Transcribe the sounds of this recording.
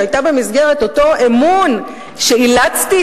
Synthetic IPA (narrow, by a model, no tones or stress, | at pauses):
ajtabe̞mizɡe̞ʁe̞to̞to̞ʔemun | ʃe̞ilat͡sti